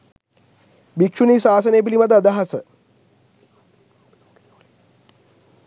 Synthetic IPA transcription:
bikʂunisaːsɐnejp̬ilimad̪ad̪aɦɐsə

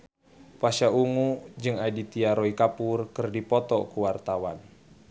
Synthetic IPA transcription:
waʃauŋud͡ʒɨŋadit̪iaɾɔikapurkərdipɔt̪ɔkuwart̪awan

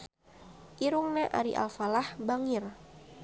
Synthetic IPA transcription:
ʔiɾuŋnɛʔa̰ɾḭʔa̰lfalahbaŋir

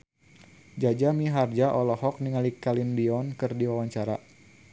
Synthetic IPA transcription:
d͡ʒad͡ʒamiɦard͡ʒaʔɔlɔhɔk̚niŋalikalinbiɔnkɨrdiwawaɲt͡ʃaɾa

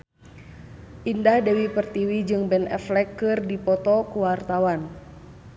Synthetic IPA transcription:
ʔindahdɛwipərt̪iwid͡ʒɨŋbɛnɛ̰flɛkːɨrdipɔt̪ɔkuwart̪awan

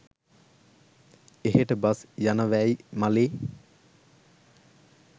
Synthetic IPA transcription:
eɦeʈəbasjanəʋæjmaleː

